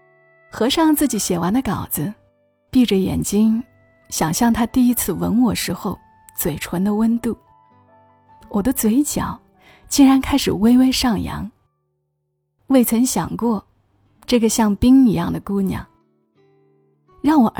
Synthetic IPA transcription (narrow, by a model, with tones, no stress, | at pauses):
xɤ˧˥ʂɑ˥˧ŋt͡sɹ̩˥˩t͡ɕi˨˩˥ɕjɛ˨˩wa˧˥nd̪ə˧kɑ˨˩ʊd͡zɹ̩˦ | pi˥˩ʈ͡ʂə˩jɛ̰˨˩nt͡ɕi˥ŋ | ɕjɑ˨˩ŋɕjɑ˥˩ŋt̪ʰa˥t̪i˥˩i˥t͡sʰɹ̩˥˩wə̰˧˥nwɔ˥˩ʂɻ̩˧˥xo˥˧ʊ | t͡swe˨˩ɪʈ͡ʂʰwə˧˥nd̪ə˧wə˥nt̪u˥˩ | wʔɔ˨˩d̪ə˦t͡swe˧˥ɪt͡ɕjɑ̰˨˩˦ʊ | t͡ɕi˥˩ŋɻa˧˥nkʰa˥ɪʂɻ̩˨˩we˥ɪwe˥ɪʂɑ˥˩ŋjɑ̰˧˥ŋ | we˥˩ɪt͡sʰə˧˥ŋɕjɑ̰˨˩ŋkwɔ˥˧ | ʈ͡ʂɤ˥˩ɡə˩ɕjɑ˥˩ŋpi˥ŋi˧˥jɑ˥˩ŋd̪ə˩ku˥njɑ̰˨˩˦ŋ | ɻɑ˥˩ŋwɔ˨˩ʔ